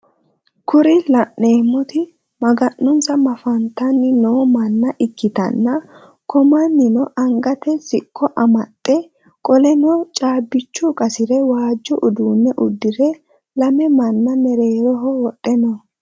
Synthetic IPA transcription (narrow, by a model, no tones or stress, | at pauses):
kʊɾɪlɐʔːe̞ːmːɔt̪ɪ | mɐɡɐnːʊnsɐmɐfɐnt̪ɐnːɪnoːmɐnːɐʔɪkːɪt̪ɐ̰nːɐ | kɔmɐnːɪnɔʔɐŋɡɐt̪ɛsɪkːɔʔɐmɐt̪ʼːɛ | kʼɔlɛnɔt͡ʃʼaːbːɪt͡ʃːʊkʼɐsɪɾɛwaːd͡ʒːɔʔʊd̪uːnːɛʔʊd̪ːɪɾɛ | lɐmɛmɐnːɐmɛɾe̞ːɾɔɦɔwɔtʼːɛnɔ